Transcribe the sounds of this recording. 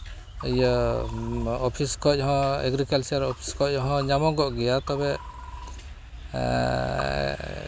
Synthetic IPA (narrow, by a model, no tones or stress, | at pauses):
əjə | ɔpʰiskɔc̚ɦɔ̃ɛ̰ɡɾikalt͡ʃaɾɔpʰi̥skɔc̚ɦɔ̃ɲamɔɡɔʔɡɛjat̪ɔbɛ